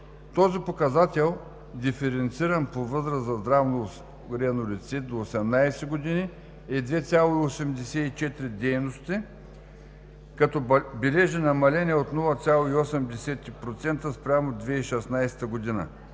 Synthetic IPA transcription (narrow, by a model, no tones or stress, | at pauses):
t̪ɔzipokɐzat̪ʲɛlˠ | d̪ifɛɾɛnt̪siɾɐnpovɤzɾɐszɐzd̪ɾavnʊ | ɾɛnʊlit̪sit̪̚d̪oːsɛmnajsɛɡod̪ini | ɛd̪vɛt̪sʲalˠoiosɛmd̪ɛsɛit͡ʃɛt̪ɾid̪ɛjnost̪ʲi | kɐt̪ɔbɛlɛʒɛnɐmɐlɛnʲiɛot̪nɔlˠɐt̪sʲalˠoiosɛmd̪ɛsɛt̪ːipɾot̪sɛnt̪əspɾʲamod̪vɛiʃɛsnajst̪ɐɡod̪inə̰